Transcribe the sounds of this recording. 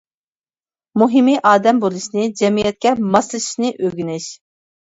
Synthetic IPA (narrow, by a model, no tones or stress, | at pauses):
muɦimiʔɑːd̪ɛmbolˠɨʃnɨd͡ʒɛmijɛt̪̚kʲɛmɑslˠɨʃi̥ʃnɨʔøɡʲynɪʃ